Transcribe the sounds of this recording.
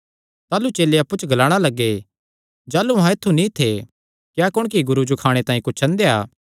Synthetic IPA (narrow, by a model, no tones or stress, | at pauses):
t̪aːlut͡ʃeːleɐpːut͡ʃɡɐlaːɽ̃alɐɡːe | d͡ʒaːluɦãɪt̪ʰːunĩt̪ʰe | kjaːkʊɽ̃kiɡʊɾud͡ʒokʰaːɽ̃et̪ãːĩkʊt͡ʃʰːt͡ʃʰɐ̃nd̪ea̰ː